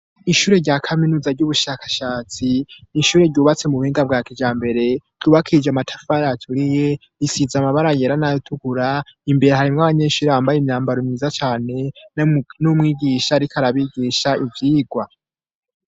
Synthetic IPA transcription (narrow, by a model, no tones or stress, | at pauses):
iʃuːɾe̞ɾɟaːkʰaminuːzaɾɟuβuʃakḁʃaːt͡siniʃuːɾe̞ɾɟuːβat͡se̞muβuhiːŋɡab̚ɡaːkid͡ʒaːmbe̞ɾe̞ɾ̥ɟ̥uːβakʰid͡ʒamatʰḁfajatʰuɾije | isizamaβaɾajeɾanajotʰuɡuɾaimbe̞ɾehaɾimŋaβaɲe̞ʃuːɾeβaːmbajeimɲaːmbaɾomiːzat͡ʃaːne̞ | numŋiːɟiːʃaɾikʰaɾaβiɟiʃaivjiːɡwa